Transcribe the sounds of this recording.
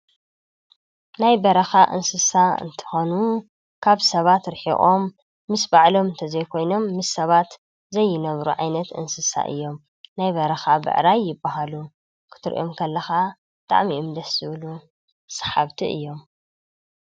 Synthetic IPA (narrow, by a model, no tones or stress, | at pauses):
najbɐɾɐxaʔɨ̰nsɨsaɨ̰nt̪ʰɨ̥xonu | kʰaβsɐβat̪ɾħḭʔʼo̞mː | ɨsbaʕlo̞mɨnt̪ʰɐzɐjkʰo̞jno̞mːɨsɐβat̪ | zɐjːɪnɐβɾuʕa̰jnɐt̪ʔɨ̰nsɨsa̰ʔɨ̰jːo̞m | najbɐɾɐxabɨ̰ʕɾajːɪbːaɦalu | kʰɨ̥t̪ʰɨɾʔomkʰɐlːɐxabɨt̪ʼa̰ʕmiʔɨmd̪ɐszɨβlu | sḁħaβt̪ʰiʔɨ̰jːo̞m